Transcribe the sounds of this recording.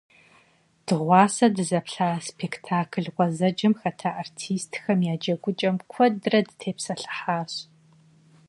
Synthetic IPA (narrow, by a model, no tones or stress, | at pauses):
d̥ɨʁʷɑːsɐdɨzɐpɬaːspʰeːktʰaːkʰɨɮʁʷɔzɐd͡ʒɐmxɐtʰaːʔartʰiːstʰxɐmjaːd͡ʒɐɡʷʊt͡ʃʼɐmkʷʰɔdɨrɐdɨtʰeːpsɐɬɨ̥ħaːɕ